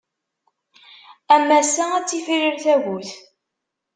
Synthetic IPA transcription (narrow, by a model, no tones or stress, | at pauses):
æmːæsææt͡sːifirəɾθæʝuθ